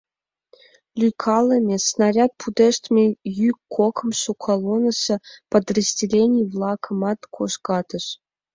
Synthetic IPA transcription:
lʲyjkʰɑlˠːə̆mʲesnɑrʲɑt̪̚pʰud̪eʃt̪mʲejykkʰːokʰɤ̆mʃukʰɑlˠonə̆sɤ̆pəd̪rəzʲdʲelʲenʲijvlˠɑkʰə̆mɑt̪kʰoʃkɑt̪ə̆ʃ

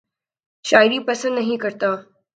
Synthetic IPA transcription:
ɕajɾiːpəsənd̪nəɦĩkəɾt̪aː

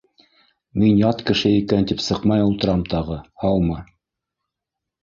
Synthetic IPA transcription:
minjɑt̪kɘ̆ʃɘikænt̪ipsɤqmɑjulˠt̪ɤ̆ɾɑmt̪ɑʁɤhɑlˠmɤ

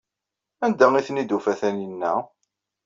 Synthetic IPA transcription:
ænd̪æiθnid̪ufæθæninːæ̰

